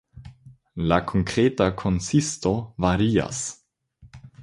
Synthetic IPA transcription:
lakʰoŋkɾeːtakʰonsistovaɾia̰s

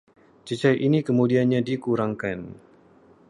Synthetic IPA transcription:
t͡ʃət͡ʃajʔinikəmudianɲadikuɾaŋkan

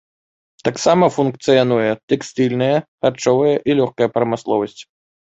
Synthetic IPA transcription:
t̪aksamɐfunkt̪sɨjanujɛt̪ɛksʲt̪ɨlʲnɨjɐxart͡ʂɔvɐjɐʔilʲɔxkɐjɐpɾɐmɨslˠɔvɐsʲt͡sʲ

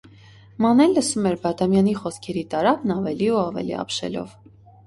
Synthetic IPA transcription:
mɑnɛlːəsumɛɾbɑd̪ɑmjɑniχɔskʰɛɾit̪ɑɾɑbnɑvɛliuɑvɛ̰lḭɑ̰pʃɛ̰lɔ̰v

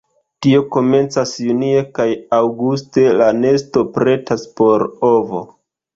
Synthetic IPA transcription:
tio̞ko̞me̞nt͡sasjunie̞kajawɡuste̞lane̞sto̞pɾe̞taspo̞ɾo̞vo̞̰

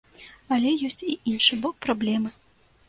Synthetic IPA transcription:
alʲɛjɔsʲt͡sʲiʔinʂɨbɔk̚pɾablʲɛmɨ

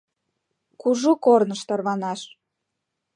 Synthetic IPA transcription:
kuʒukornəʃt̪ɑrβɑnɑʃ

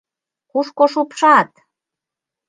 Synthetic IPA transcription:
kuʃkoʃupʃɑt̪

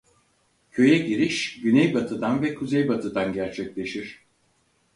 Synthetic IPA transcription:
cʰø̞jɛɟiɾiʃɟynɛjbat̪ʰɯd̪anvɛkʰuzɛjbat̪ʰɯd̪anɟæɾt͡ʃʰɛclʲe̞ʃiɾ̥

